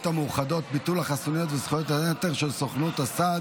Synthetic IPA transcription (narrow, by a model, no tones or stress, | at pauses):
t̪hamuχado̞t̪̚bit̪ulaχasunijot̪vesχojot̪anet̪eʁʃelsoχnut̪asad